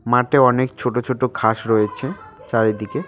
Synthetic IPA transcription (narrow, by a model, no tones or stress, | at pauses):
maʈeɔnekt͡ɕʰoʈot͡ɕʰoʈokʰaʃɾɔet͡ɕʰet͡ɕaɾed̪ike